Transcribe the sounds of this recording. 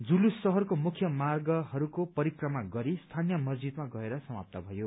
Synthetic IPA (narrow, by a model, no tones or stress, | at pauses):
d͡zulusʌɦʌrkomukʰjʌmarɡʌhʌɾukopʌɾikrʌmaɡʌɾist̪ʰanjʌmʌzd͡zid̪maɡʌeɾʌsʌmap̚t̪abʱʌjo